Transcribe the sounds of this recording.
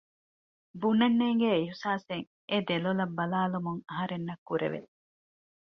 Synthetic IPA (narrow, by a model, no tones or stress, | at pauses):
bunːɐnːeːŋɡeiɦsaːseŋ | ed̪elolɐbːɐlaːlumuŋɐɦɐɾenːɐkːuɾḛʋḛ